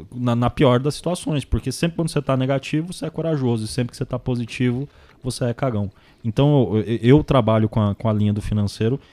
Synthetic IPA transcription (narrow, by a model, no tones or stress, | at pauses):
nɐnɐpiɔɾɐd̪ɐsːi̥t̪uasõj̃spoɾkesẽpɾɪkwɐ̃nd̪ʊset̪aneɡat͡ʃivʊvoseɛkoɾaʒozʊɪsẽpɾɪkɪ̥set̪apozit͡ʃivʊ | voseɛkaɡɐ̃w̃ | ẽnt̪ɐ̃w̃eɛʔewt̪ɾabaʎʊkõɐkõɐlĩɲɐd̪ʊfinɐ̃sejɾʊ